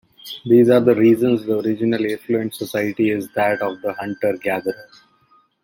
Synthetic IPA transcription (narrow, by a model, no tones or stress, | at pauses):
d̪iːzaːɾd̪əɾiːzə̃nsd̪əɔɾɪd͡ʒɪnəlɪ̃fluə̃ɳʈsɔsaɪəʈiɪzd̪æʈɔːʋd̪əhʌ̃ɳʈəɾɡæd̪əɾəz